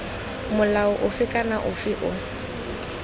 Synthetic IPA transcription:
mʊlaʊʔʊfɪkʼanaʔʊfɪʔʊ

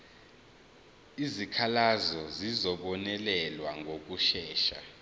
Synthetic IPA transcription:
izikʰalazɔzizɔɓɔnɛlɛlwaŋʱok̬ʼuʃɛːʃa̰

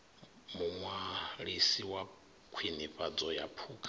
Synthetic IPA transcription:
muŋwaɺisiwa | kʰwiniɸad͡zɔjapʰuːkʰʼa

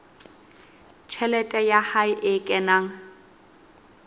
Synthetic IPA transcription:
t͡ʃʰɛlɛtʼɛjahaɪʔɪkʼɛnaːŋ̩

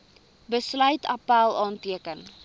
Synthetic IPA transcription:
bəslœɥtʰɐpælˠɑːntiəkən

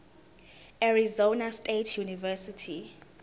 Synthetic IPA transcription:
aɹizonastʼetʰjunivɛsitʰi

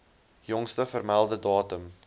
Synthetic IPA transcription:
jɔŋstəfərmælˠdədɑːtəm

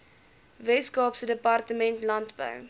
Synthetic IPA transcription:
vɛtskɑːpsədəpɐrtəmɛntlɐntbə̰w

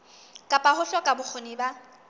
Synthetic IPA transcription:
kʼapʼahʊɬɔkʼabʊk͡xʰʊnɪba

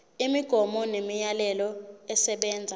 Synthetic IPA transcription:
imiɡ̥ʱɔmɔnemijalɛlɔɛsɛɓɛːnd͡zʱa

